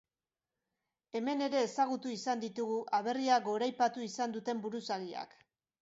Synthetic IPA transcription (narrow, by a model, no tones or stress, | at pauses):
e̞me̞ne̞ɾe̞ːsaɣ̞ut̪uisand̪it̪uɣuʔaβ̞e̞riaɡo̞ɾajpat̪uisand̪ut̪e̞mbuɾusaɣia̰k